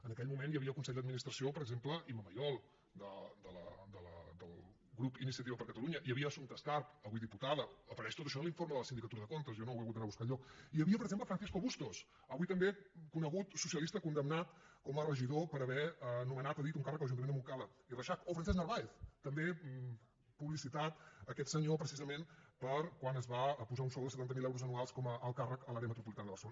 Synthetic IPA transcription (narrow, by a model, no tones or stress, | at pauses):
ənəkɛʎmumenjəβiəkunsɛʎʲd̪əd̪minist̪ɾəsiopəɾəɡzempləʔiməməjɔlˠ | d̪əd̪ələ̰d̪ələ̰d̪əlˠ | ɣɾupinisiət̪iβəpəɾkət̪əluɲəʔiəβiəːsunt̪əskarpəβujðiput̪aðəːpəɾɛʃt̪ot̪əʃɔnlˠiɱfoɾməðələsind̪ikət̪uɾəðəkont̪əzjɔnowəɣut̪anaβuskaʎɔiəβiəpəɾəɡzempləfɾənsɛs̬koβust̪os | əβujt̪əmbekunəɣut̪susiəlist̪əkund̪əmnat̪kɔmərəʒiðopəɾəβɛənumənat̪əðit̪uŋkarək̚dələʒunmend̪əmuŋkaləirəʃakofɾənsɛznərβaeθt̪əmbe | puβlisit̪at̪əkɛt̪səɲopɾəsizəmenpəɾkwanəzβapuzaunsɔlˠd̪əsət̪ant̪əmilɛwɾuzənualˠskɔməːlˠkarəkəlaɾjəmət̪ɾupulit̪anəðəβərsəlo